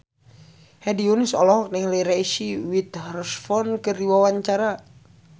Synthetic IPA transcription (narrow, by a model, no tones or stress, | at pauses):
hɛdiunisɔlɔɦɔk̚nɛŋleɾaiʃiwit̪hrsfɔnkərdiwawaɲt͡ʃaɾa